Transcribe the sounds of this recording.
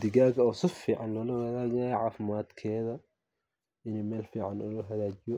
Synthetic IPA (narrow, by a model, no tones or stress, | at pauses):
d̪ɪɣaːɣɐɔːsɪfiːʕɑnlɔːlɐhɐðaːd͡ʒɪjʕɑːfɪmaːd̪kʰɛːðɐ | ɪnɛmɛːlfiːʕɑnɔːlɐɦɐðaːt͡ʃɪjɔ